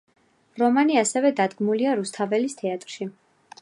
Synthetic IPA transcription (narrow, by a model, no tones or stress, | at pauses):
ɾɔmaniasɛvɛd̪ad̪ɡmuliaɾust̪ʰavɛlist̪ʰɛat̪ʼɾʃi